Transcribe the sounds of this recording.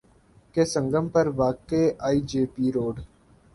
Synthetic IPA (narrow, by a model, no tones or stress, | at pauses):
kesə̃ŋɡəmpəɾʋaːkeʔaːiːd͡ʒeːpiːɾoːɖ